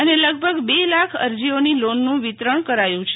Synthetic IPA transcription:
əneləɡ̚bʱəɡbelakʰə̰ɾd͡ʒionilonːũʋit̪ɾəɳkəɾajũt͡ʃʰe

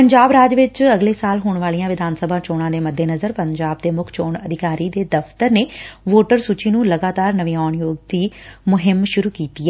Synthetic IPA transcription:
pəɲd͡ʒaːbɾaːd͡ʒʋɪt͡ʃəɡleːsaːlɦoːɳʋaːlijãːʋɪd̪ʱaːnsəbʱãːt͡ʃoːɽ̃ãːd̪eːməd̪ʱːeːnəzəɾpəɲd͡ʒaːb̚d̪eːmʊkʰt͡ʃoːɳəd̪ʱɪkaːɾiːd̪eːd̪əft̪əɾneːʋoːʈəɾsuːt͡ʃiːnũːləɡaːt̪aːɾnəʋĩːɔːɳjoːɡ̚d̪iːmʊɦɪmʃʊɾuːkiːt̪iːɛː

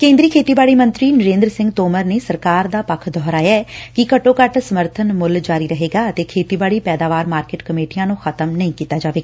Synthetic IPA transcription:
kẽːnd̪ɾiːkʰeːt̪iːbaːɽiːmə̃nt̪ɾiːnəɾẽːnd̪ɾəsɪ̃ŋɡt̪oːməɾneːsəɾkaːɾd̪aːpəkʰd̪ʱɔːɾaːjaːkɪkəʈõːkəʈsəməɾt̪ʰənmʊld͡ʒaːɾiːɾəɦeːɡaːət̪eːkʰeːt̪iːbaːɽiːpɛːd̪aːʋaːɾmaːɾkeːʈkəmeːʈijãːnũːxʰət̪əmnəĩːkiːt̪aːd͡ʒaːʋeːɡaː

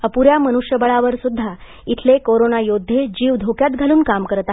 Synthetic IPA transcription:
əpuɾjamənuʂjəbəɭaʋəɾsud̪ʱːa | it̪ʰlekoɾonajod̪ʱːed͡ʑiːʋd̪ʱokjat̪ɡʱaluːnkamkəɾt̪a

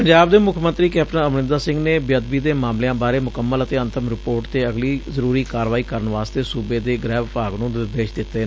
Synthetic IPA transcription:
pəɲd͡ʒaːb̚d̪eːmʊkʰəmə̃nt̪ɾiːkɛːpʈənəmnɪ̃nd̪aːsɪ̃ŋɡneːbjəd̪biːd̪eːmaːmlejãːbaːɾeːmʊkəmːələt̪eːə̃nt̪ʰəmɾɪpoːɾʈt̪eːəɡliːzəɾuːɾiːkaːɾʋaːiːkəɾəɳʋaːst̪eːsuːbeːd̪eːɡɾɛːʋpaːɡnũːnɪɾd̪eːʃd̪ɪt̪ːeː

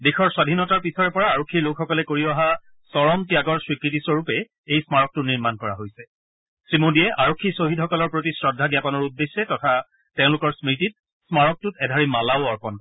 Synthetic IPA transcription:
dexʰɔɹswadʱinɔtaɹpisɔɹɛpɔɹaːɹokʰːiɹlokxɔkɔlɛkoɹiɔɦa | sɔɹɔmtijaɡɔɹswikɹitisɔɹupɛ | ejsmaɹɔk̚tʊniɹmankɔɹaɦojsɛ | sɹimodiɛʔaɹokʰːisoɦidɦɔkɔlɔɹpɹotisɹɔdʱːaɡjapɔnɔɹudːesːɛtɔtʰa | tɛ̃ʊ̃lʊkɔɹsmɹitit̚ | smaɹɔk̚tʊtɛdʱaɹimalaʊɔɹpɔnk

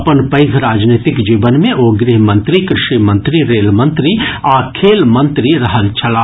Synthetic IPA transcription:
pənpɐɪɡʱɾaːd͡ʒnet̪ɪkd͡ʒiːʋənmẽʔoːɡɾiɦmə̃nt̪ɾikɾɪʃimə̃nt̪ɾiɾeːlmə̃nt̪ɾiakʰeːlmɐ̃nt̪ɾiɾəɦəlt͡ʃʰɐlaː

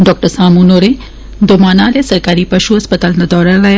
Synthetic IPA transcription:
ɖɔːk̚ʈəɾsaːmunoːɾe | d̪omaːnaːljesɐɾkaːɾipɐʃuɦɐspət̪aːlnad̪ɔːɾalaj

